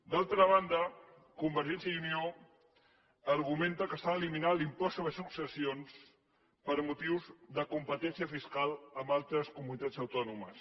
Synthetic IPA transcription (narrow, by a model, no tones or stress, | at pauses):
d̪alˠt̪ɾəβand̪ə | kumbəɾʒɛnsjəunio | ɾɣument̪əkəst̪aliminalimpɔsoβəsuksəsions | pəɾmut̪iwzðəkumpət̪ɛnsiəfiskalˠəmbalˠt̪ɾəskumunit̪ad͡zəwt̪ɔnuməs